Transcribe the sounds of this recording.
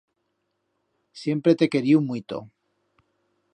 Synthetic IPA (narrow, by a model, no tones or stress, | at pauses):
sje̞mpɾe̞t̪e̞ke̞ɾiumwit̪o̰